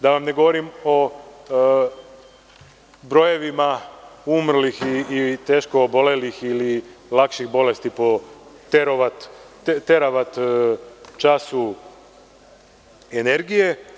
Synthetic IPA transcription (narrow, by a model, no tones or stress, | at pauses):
d̪aʋamne̞ɡo̞ʋoɾimo̞ | bɾo̞je̞ʋimaumr̩lixiːt̪e̞ːʃkoːbo̞le̞lixililˠakʃixbo̞le̞st̪ipo̞t̪eɾoʋat̪ | t̪eɾaʋat̪ | t͡ʃasu | ene̞ɾɡije̞